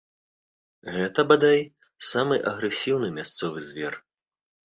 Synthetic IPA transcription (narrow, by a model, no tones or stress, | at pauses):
ɣɛt̪ɐbad̪aj | samɨʔɐɣɾɛsʲiwnɨmʲast̪sɔvɨzʲvʲɛr